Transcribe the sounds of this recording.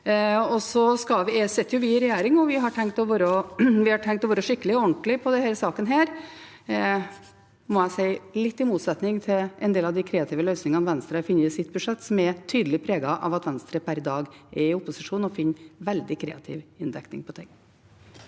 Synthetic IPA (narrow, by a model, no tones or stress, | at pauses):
ɔsɔskɑʋɪsɛt̪ːjʊʋɪɪɾɛjæːɾɪŋɔʋɪɦɑʈʰɛŋkt̪ɔʋoːɾɔʋɪhɑʈʰɛŋk̚t̪ɔʋoːɾəʂɪkːəlɪɔɔɳʈ̪əlɪpʰɔd̪ɛheːɾəsɑːkənɦæːɾ | mɔæsæɪlɪt̪ːɪmuːt̪sɛt̪nɪŋt̪ʰɪlʔɛnd̪eːlɑʋd̪ɪkʰɾɛːɑt̪ɪːʋəlœʏsnɪŋɑnʋɛnst̪ɾəɑfɪnːəɪsɪt̪̚ːbʉʂɛt̪ːsɔmɛt̪ʰyːd̪əlɪpʰɾeːɡɑʔɑ̰ʋɑt̪ʋɛnst̪ɾəpʰæɾd̪ɑːɡʔɛɪʊpːʊsɪʂuːnɔfɪnːʋɛld̪ɪkʰɾɛ̰ːɑt̪ʰɪ̰ʋɪnd̪ɛknɪ̰ŋpʰɔt̪ʰɪŋː